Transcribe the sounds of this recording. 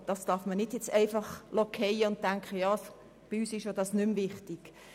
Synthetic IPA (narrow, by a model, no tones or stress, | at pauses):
d̥ɑsd̥ɑfmənɪdjɛt͡sæɪfɑχlɔkʰɛɪəʊnt̚tːæŋkχəjɑːs | b̥iyːsɪʃjodɑsnʏmvɪχtiɡ̥